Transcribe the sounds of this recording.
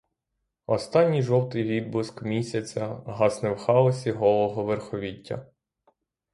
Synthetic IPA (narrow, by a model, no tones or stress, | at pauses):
ɔst̪ɑnʲːijʒɔwt̪ɪjʋʲid̪̚bʊskmʲisʲɐt͡sʲɐɦɑsnɪwxɑɔsʲiɦɔlˠɔɦɔʋerxɔʋʲitʲːɐ̰